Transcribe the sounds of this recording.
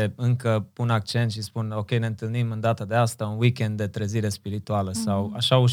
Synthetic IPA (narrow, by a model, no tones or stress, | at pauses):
eɨŋkəpunak̚t͡ʃe̞nt̪ʃispuno̞kʲe̞jneɨnt̪ɨlnimɨnd̪at̪əd̪e̞ast̪aunwikʲe̞nd̪ːe̞t̪ɾeziɾe̞spiɾit̪ualəsawaʃauʃ